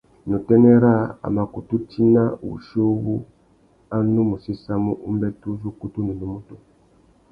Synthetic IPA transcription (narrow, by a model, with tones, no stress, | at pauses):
nu˨tɛ˦nɛ˦ɾa˦a̰˨ma˨ku˨tu˦tʰi˦na˦˨βṵ˨ʃo˦βu˦ | a˦nu˦mu˨si˦sa˦mu˦ʔu˦m˦bɛ˦tu˦zu˦ku˦tu˦ni˨nu˨˦mu˦tu˨